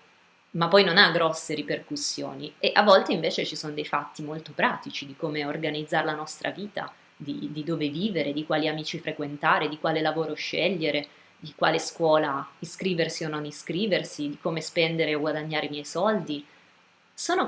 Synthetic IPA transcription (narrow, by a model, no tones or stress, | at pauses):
mapːɔjnonaɡɾɔsːeɾiperkusːjo̰ːnieʔavːɔlt̪eiɱveːt͡ʃet͡ʃisoːnod̪ejfat̪ːimolt̪opɾaːt̪it͡ʃid̪ikoːmeorɡanid̪zːaːɾelanɔst̪ɾʔa̰viːt̪a̰ | d̪id̪id̪oːveviːveɾed̪ikwaːliamiːt͡ʃifɾekwent̪aːɾed̪ikwaːlelavoːɾoʃːɛʎːeɾe | d̪ikwa̰ːleskwɔːlaiskɾiːversiononiskɾiːversid̪ikoːmespɛnd̪eɾeoɡwad̪aɲːaːɾeimjɛjsɔld̪i | soːno